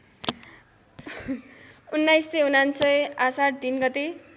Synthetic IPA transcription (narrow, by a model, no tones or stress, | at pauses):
unːajsːʌunansʌjasaʈ̚ʰd̪inɡʌt̪e